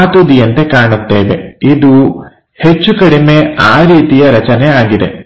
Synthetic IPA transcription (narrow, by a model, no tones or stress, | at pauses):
t̪ud̪ijɐnt̪e̞kaːɳut̪ːeːʋe̞̰id̪u | het͡ʃːukɐɽime̞aːɾiːt̪ijɐɾɐt͡ʃɐneaːɡid̪e̞̰